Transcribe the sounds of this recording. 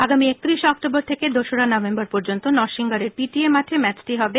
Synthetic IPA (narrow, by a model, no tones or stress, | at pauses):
aɡamiekt̪iɾiʃɔkʈoboɾt̪ʰeked̪oʃoɽanɔvembaɾpɔɾd͡ʑont̪onɔɾʃiŋɡaɾeɾpiʈiemaʈ̪ʰemɛt͡ɕʈiɦɔbe